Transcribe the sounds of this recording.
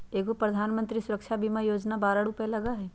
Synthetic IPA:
eːɡopɾɐd̪ʱaːnmə̃nt̪ɾisʊɾəkʃabʱimajoːd͡ʒnabaːɾaɽʊpelɐɡaɦɛː

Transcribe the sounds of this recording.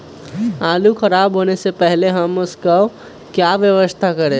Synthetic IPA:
alukʰəɾabɦonesepəɦleɦəməskə | kjaʋjəʋəst̪ʰakəɾe

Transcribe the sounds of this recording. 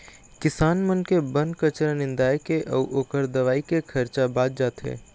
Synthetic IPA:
kɪsaːnmənkebə̃nkət͡ʃɾanɪ̃nd̪aːekeʔɔːʔoːkəɾd̪ɐʋaːikekʰɐɾt͡ʃabaːd͡ʒ̪̚d͡ʒaːt̪ɦḛː

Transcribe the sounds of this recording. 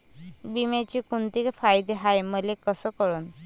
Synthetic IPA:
bimet͡ɕikunt̪ikfajd̪eɦajməlekəsəkəɭun

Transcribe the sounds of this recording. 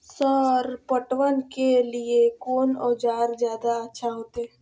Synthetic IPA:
səɾpəʈʋənkeliekɔːnɔːd͡ʒaːɾd͡ʒjaːd̪aətːʃʰaɦoːt̪eɦɛː

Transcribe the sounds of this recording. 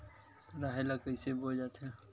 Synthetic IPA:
ɾaːɦelakəisebod͡ʒaːt̪e

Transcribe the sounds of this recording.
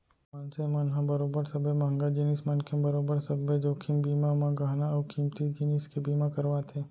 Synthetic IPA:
mansemanɦãbəɾoːbəɾsɐbemaŋɡad͡ʒinismənkʰẽmbəɾoːbəɾsəbed͡ʒoːkʰimbiːmamãɡaːɦnaɔːkimt̪id͡ʒiniskebiːmãkəɾʋat̪ʰeː

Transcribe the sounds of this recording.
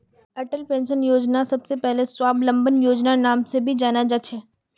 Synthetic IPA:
ɐʈəlpẽːnʃənjoːd͡ʒnasɐbsepɛɦleswaːblɐ̃mbənjoːd͡ʒnanaːmsebʱid͡ʒaːnad͡ʒɐt͡ʃʰɦɛː

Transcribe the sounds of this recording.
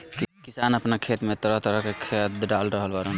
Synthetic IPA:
kkisanəpnakʰet̪met̪əɾəɦt̪əɾəɦkekʰet̪̚ɖalɾəɦəlbaɾən

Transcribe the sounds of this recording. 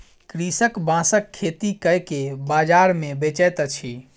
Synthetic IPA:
kɾisəkbãsəkʰːet̪ikəjkebad͡ʒaɾmebet͡ʃəjt̪t͡ʃʰi

